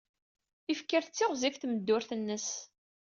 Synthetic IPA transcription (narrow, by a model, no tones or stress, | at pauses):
ifkːəɾt͡sːɪʁzifθməd̪ːʊɾθənːəs